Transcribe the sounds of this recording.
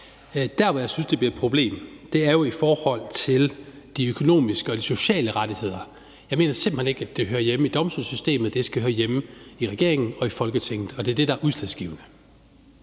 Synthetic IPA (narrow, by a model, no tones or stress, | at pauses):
d̥æɐʋɒjɑɪsynsd̥e̝b̥liɐed̥pʰʁob̥le̝̰ːmd̥e̝æɐjo̝ifɒːhɒ̽l̰t͡sʰe̝l | d̥iøkʰo̝no̝̰ːmisɡ̥əɒ̽d̥iso̝ɕɛ̰ːləʁɑ̈d̥ihe̝ð̞̰ˠɐ | jɑɪme̝̰ːnɐsem̥̩hḛneɡ̥æd̥e̝ɦøːɐjemid̥ɒ̽msd̥ulˠsysd̥e̝̰ːmð̩ˠd̥e̝sɡ̥æhøːɐjemiʁɛɡ̥e̝ɐeŋn̩ɒ̽ifɒ̽lɡ̥ət͡sʰeŋ̰ð̩ˠɒ̽d̥e̝ɐd̥e̝ɾɑ̈æɐʔuðˠslæðsɡ̥ḭːʊnə